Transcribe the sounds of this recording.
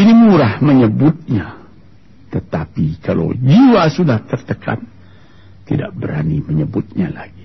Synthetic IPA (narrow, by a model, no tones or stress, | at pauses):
inimuɾahməɲəbʊt̪̚ɲa | t̪ət̪apikalo̰d͡ʒiwasudaht̪ərt̪əkʰa̰n | t̪ḭda̰ʔbəɾa̰niməɲəbʊt̪̚ɲala̰ɡi